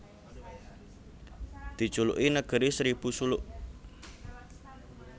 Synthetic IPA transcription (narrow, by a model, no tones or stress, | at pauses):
d̪̥i̤t͡ʃulʊ̰ʔinəɡ̥əɾisɾib̥usulʊʔ